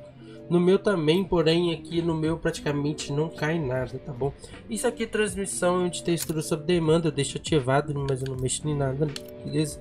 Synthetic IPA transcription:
nʊmewt̪ɐ̃mẽj̃poɾẽj̃ɐkinʊmewpɾat͡ʃi̥kamẽnt͡ʃɪnɐ̃w̃kajnad̪ɐt̪abõ | isʊakit̪ɾɐ̃zmisɐ̃w̃ɛũt͡ʃɪ̥t̪est̪uɾʊsobɾɪd̪emɐ̃nd̪ɐed̪ejʃat͡ʃivad̪ʊ̃mɐzewnɐ̃w̃ejʃʊnẽj̃nad̪ɐ | lez

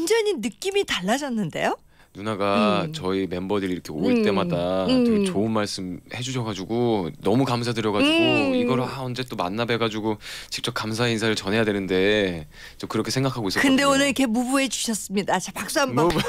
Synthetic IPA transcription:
nd͡ʑʌɲinɯk͈imitaɭːad͡ʑʌnːɯnde̞̰jo | nunaɡat͡ɕʌime̞mbʌdiɾiɾʌkʰe̞oiɭt͈e̞madaot͡ɕoɯnmaɭs͈ɯmhe̞d͡ʑuɕʰʌɡad͡ʑuɡonʌmukamsʰadɯɾjʌɡad͡ʑuɡoiɡʌɾɯaʌnd͡ʑe̞t͈oma̰nːabe̞ɡad͡ʑuɡot͡ɕi̥k̚t͡ɕ͈ʌp̚kamsʰainsʰaɾɯɭt͡ɕʌnɦe̞jadwenɯnde̞ | t͡ɕ͈ʌkɯɾʌkʰe̞sʰe̞ŋɡakʰaɡois͈kɯnde̞onɯɾikʰe̞mubue̞d͡ʑu̥ɕʰʌs͈ɯmɲidat͡ɕapak̚s͈uam

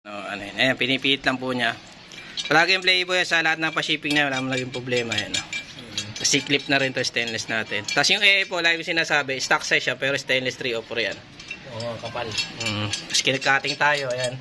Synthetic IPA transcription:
o̰ʔoʔɐ̰nojɐnʔɐjanpɪnipiːlɪt̪lɐŋpuɲɐ | pɐlaːɡɪjʊmplɛːjɪpojansɐlɐhat̪̚nɐŋpɐʃiːpɪŋɲɐjɐlaːmɐŋnɐɡɪŋpɾoblɛːmɐjɐno | kɐsɪklɪp̚nɐɾɪnt̪ost̪ɛnlɛsnaːt̪ɛnt̪ɐsjʊŋʔɛjʔɐjpolaːɡɪkʊsɪnaːsaːbɛɪst̪aksɐjʃapɛːɾost̪ɛnlɛst̪ɾiːʔoːpɛɾja̰n | oʔokɐpalm̩ːmɐskɪnɐɡ̚kːaːt̪ɪŋt̪aːjo̞jan

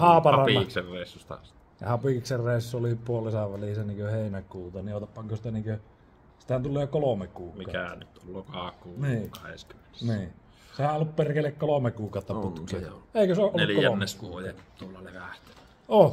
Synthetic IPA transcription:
hɑːpɑɑrɑinkserreˑisːust̪ɑ̰s | jɑ̰hɑpikserreˑisːuolipuolisɑʋʋælisæniːŋkøheˑinækuːt̪ɑniʔʔot̪ppːɑŋkosit̪æniːŋkø | si̥t̪hænt̪ulːˑeːkolomekuːkmiˑɑkæ̰nyt̪olːokɑˑkuːniːkɑhḛsky̥mːenesniː | sehæʔolːupperkelːekkolomekˑuːkɑˑot̪ːɑput̪keeeˑikøseoʔolnːelkolæonːeskuojet̪uolːɑleʋæht̪e̥næ | o

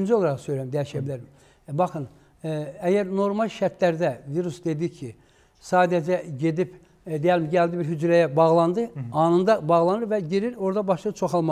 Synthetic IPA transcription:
nd͡ʒio̞lˠɑɾɑχsøjɾæimd̪æjiʃæbilæɾm | bɑχɯn | æjæɾno̞ɾmɑlˠʃæɾt̪læɾd̪æviɾusd̪e̞d̪icʰi | sɑːd̪æd͡ʒæɟe̞d̪ip | d̪ejælʲmiɟælʲd̪ibiɾɦyd͡ʒɾæjæbɑʁlˠɑnd̪ɯɑnɯnd̪ɑbɑʁlˠɑnɯɾvæɟiɾiɾo̞ɾd̪ɑbɑʃˠɯt͡ʃʰoxɑlˠmɑ

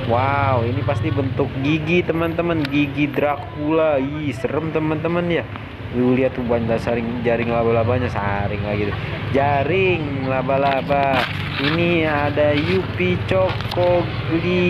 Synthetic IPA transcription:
wawinipast̪ibənt̪ʊk̚ɡiɡit̪əmənt̪əmənɡiɡidɾak | ulaisəɾəmt̪əmənt̪əmənja | luliat̪ubuantasaɾɪŋd͡ʒaɾɪŋlabalabaɲasa̰ɾɪŋlaɡit̪ud͡ʒaɾɪŋlabalaba | iniadajupit͡ʃokː | ɔɡ | li

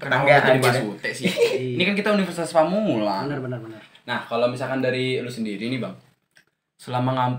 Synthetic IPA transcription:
kənaɡaaadibaut̪ɛʔsihinikankit̪aunifərsit̪aspamulaənrbənərbənərnahkalomisalkandaɾilusəndiɾinibaŋ | səlamaŋamp

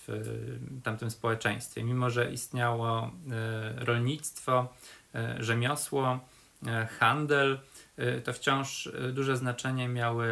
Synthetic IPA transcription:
ft̪amt̪ɘmspɔwɛt͡ʂɛ̃j̃st̪fʲjɛmʲimɔʐɛʔist̪ɲawɔ | ɾɔlɲit̪st̪fɔ | ʐɛmʲjɔswɔ | xand̪ɛlt̪ɔft͡ɕɔ̃w̃ʂd̪uʐɛznat͡ʂɛɲɛmʲjawɘ

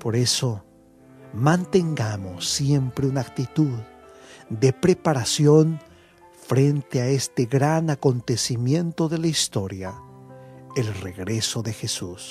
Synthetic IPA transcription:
po̞ɾe̞so̞ | mãnt̪e̞ŋɡamo̞sːje̞mpɾeunak̚t̪it̪uð | d̪e̞pɾepaɾasjo̞n | fɾe̞nt̪eae̞st̪e̞ɣɾanako̞nt̪e̞simjẽ̞nt̪o̞ðe̞laist̪o̞ɾja | elreɣɾeso̞ðe̞xesus

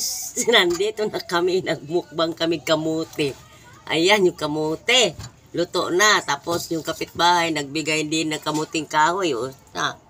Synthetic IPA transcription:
snand̪it̪ʊnakamɪnaɡ̚mʊk̚baŋkamɪkamut̪ɪ | ʔa̰janjʊkamut̪e | lʊt̪oʔnat̪aːposjʊŋkapɪt̪̚baːɦajnaɡ̚bɪɡajd̪inakamut̪ɪŋkaːhojota̰

